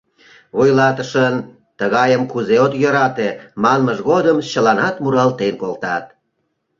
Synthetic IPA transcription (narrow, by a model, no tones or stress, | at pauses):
βojlɑt̪əʃən | t̪əɣɑjəmkuzeot̪jəɾɑt̪emɑnməʒɣod̪əmt͡ɕəlɑnɑt̪muɾɑlt̪enkolt̪ɑt̪̚